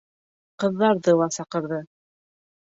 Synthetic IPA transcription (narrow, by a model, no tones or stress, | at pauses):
qɤ̆ðːɑɾðɤlˠɑsɑqɤ̆ɾðɤ